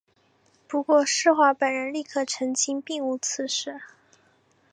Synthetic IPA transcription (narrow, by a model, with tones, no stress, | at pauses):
pu˧˥kwɔ˥˧ʂɻ̩˥˧xwa˧˥pə˨˩nɻə˧˥nli˥˩kʰɤ˥˩ʈ͡ʂʰə˧˥ŋt͡ɕʰi˥ŋpi˥˩ŋu˧˥t͡sʰɹ̩˧˥ʂɻ̩˥˩˦